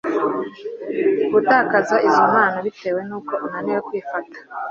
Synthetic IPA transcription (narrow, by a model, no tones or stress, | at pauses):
ɡutaːkazaizomaːnaβite̞ːwe̞nuːko̞ʔunaniwekwiːfatḁ